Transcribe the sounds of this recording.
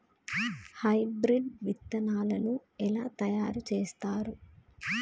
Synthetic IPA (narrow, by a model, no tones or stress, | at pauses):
hɐjbɾiɖʋit̪ːɐnaːlɐnuɛlaːt̪ɐjaːɾut͡ʃeːst̪aːɾu